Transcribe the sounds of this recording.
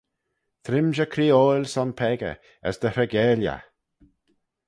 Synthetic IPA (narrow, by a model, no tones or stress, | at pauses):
t̪ʰɾɪmʒəkʰɾiːoːlsɔnpʰɛɡə̰ | ə̰sd̪əɾɛɡɛːlja̰